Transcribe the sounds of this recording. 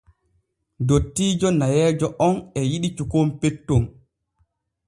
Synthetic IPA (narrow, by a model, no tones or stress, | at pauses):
dotːiːd͡ʒɔnajɛːd͡ʒɔʔɔnɛjiɗit͡ʃukompetːom